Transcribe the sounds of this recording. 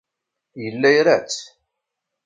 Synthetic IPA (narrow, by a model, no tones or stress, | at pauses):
jəlːæjɾæt͡sː